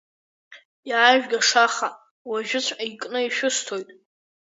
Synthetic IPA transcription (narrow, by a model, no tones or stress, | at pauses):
jːʒᶣɡʲaʂaχa | waʒᶣʊt͡ɕʷʰʼaikʼnɨiʃᶣʊstʰojtʼ